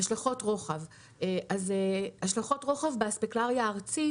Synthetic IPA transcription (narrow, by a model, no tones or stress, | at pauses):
aʃlaχo̞tʁo̞χav | eʔazehaʃlaχo̞tʁo̞χavbaspiklaʁjaːʁt͡si